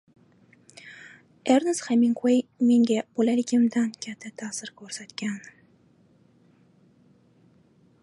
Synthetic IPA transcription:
eɾnɨsχamɪŋkʰojme̞ŋɡʲab̥olalɪkʲʰɪmd̪ankʲʰat̪ʰːat̪ʰasɪɾkʲʰɵɾsat̪kʲan

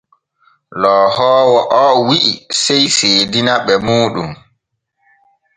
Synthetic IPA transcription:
lɔːhɔːwɔʔɔːwiʔisɛjseːdinaɓɛmuːɗum

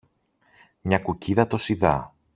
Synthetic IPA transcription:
mɲɐkuciðɐt̪o̞siðɐ

